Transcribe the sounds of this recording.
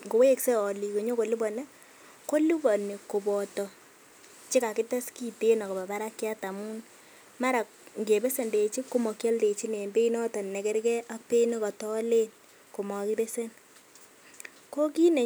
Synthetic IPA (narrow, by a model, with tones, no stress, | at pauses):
ŋɡo˨we˦kse˦ɔ˨li˨ko˨ɲo˦ko˨li˦bɔ˨ne˦ | ko˦lu˦bɔ˨ne˨ko˨bɔ˨tɔ˨ | t͡ʃɪ˦ka˨kɪ˦ta˦ski˦te˦na˨kɔ˨ba˨ba˦ɾa˦kja˦ta˨mu˦n | ma˦ɾa˨kŋɡe˨be˦se˨nde˨t͡ʃi˦ko˦mɔ˨kja˦lde˨t͡ʃi˦ne˨mbe˦inɔ˦tɔ˨nnɛ˨kɛ˦ɾkɛ˦ʔa˦pe˦ne˦kɔ˨tɔ˦le˦n | ko˨mɔ˨ki˦be˦se˦n | ko˦ki˦ne˨